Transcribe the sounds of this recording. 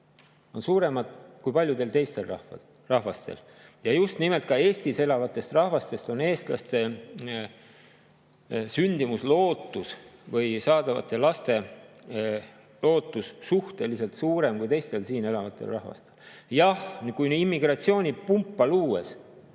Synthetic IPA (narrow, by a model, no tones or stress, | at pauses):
o̞nsuːɾe̞mɑd̪̥kujpɑlʲjud̪e̞lt̪e̞jst̪e̞lrɑh | rɑhvɑst̪ḛl | jɑjust̪nime̞lt̪̚kɑe̞ːst̪ise̞lɑvɑt̪ːˑe̞st̪rɑhvɑst̪e̞st̪o̞ne̞ːst̪lɑ̰st̪e̞ | synʲd̪̥imuslo̞ːt̪ːˑusvɤjsɑːd̪̥ɑvɑ̰t̪ːˑe̞lɑst̪e̞ | lo̞ːt̪ːˑussuht̪e̞liselt̪suːɾe̞mkujt̪e̞jst̪e̞lsiːne̞lɑvɑt̪ːˑḛlrɑhvɑ̰st̪eljɑhkujnimːiɡ̥rɑt̪sio̞ːnʲipumpːɑluːes